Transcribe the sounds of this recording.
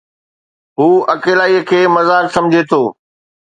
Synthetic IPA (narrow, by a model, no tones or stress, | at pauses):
ɦuːɐkeːlaːiəkʰeːmɐzaːksɐ̃md͡ʑʱet̪ʰoː